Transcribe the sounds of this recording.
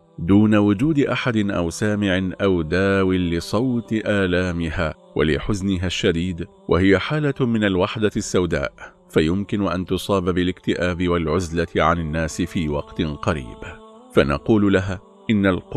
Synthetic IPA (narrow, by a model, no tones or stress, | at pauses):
d̪uːnawʊd͡ʒuːd̪ʔaħad̪ɪnʔa̰wsaːmɪʕɪnʔawd̪aːwɪlɪsˤɑwt̪ɪʔaːlaːmɪhaː | wa̰lɪ̰ħʊznɪɦaʃːad̪iːd̪ | wʔa̰hɪjaħaːlamɪnalwaħd̪asːawd̪a̰ːʔ | fajʊmkɪnʊʔant̪ʊsˤɑːbabɪlɪkt̪ɪʔaːbɪwalʕʊzlat̪ɪʕanɪnːaːsɪfiːwɑqt̪ɪnqɑɾḭːb | fanɑ̰quːlʊlaɦaː | ʔɪnːalq